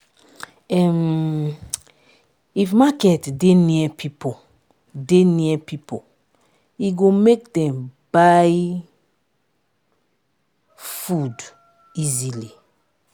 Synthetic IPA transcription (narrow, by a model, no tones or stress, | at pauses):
ɛm | ifmakɛtdeniɛpʰipo | deniɛpipo | iɡomek̚dɛ̃mbaj | fud | izili